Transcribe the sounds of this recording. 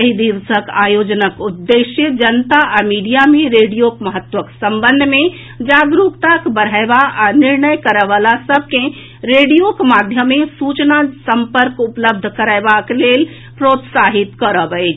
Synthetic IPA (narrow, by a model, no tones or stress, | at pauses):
əɦid̪iɾsəkajod͡ʒnəkud̪ːeʃjəd͡ʒənt̪aʔamiɖijameɾeɽijokməɦət̪ʋəksəmbənd̪ʱmẽ | d͡ʒaɡɾukt̪akbəɽ̤ʱaebaʔaniɾnəjkəɾəʋalasəb̚ʱkẽ | ɾeɖijokmad̪ʱjəmːesut͡ʃnasəmpəɾkupləb̚d̪ʱkəɾəɪbaklel | pɾot̪saɦit̪kəɾəbəjt͡ʃʰ